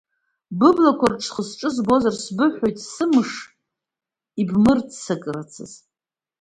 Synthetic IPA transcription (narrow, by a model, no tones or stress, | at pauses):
bɨblakʷʰarʈ͡ʂʰχəsʈ͡ʂʼɨzbo̞zarsbɨħʷᶣojtʼsɨmɨʂ | ibmɨrtsɨkʼrat͡sʰɨ̰z